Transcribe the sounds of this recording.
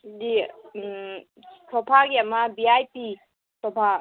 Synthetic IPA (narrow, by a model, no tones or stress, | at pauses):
di | tʰɔpʰaɡiamabiajpi | tɔpʰa